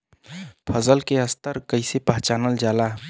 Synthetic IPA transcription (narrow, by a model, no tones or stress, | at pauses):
pʰəzəlkeɦəst̪əɾkəisepəɦt͡ʃaːnəld͡ʒaːlaː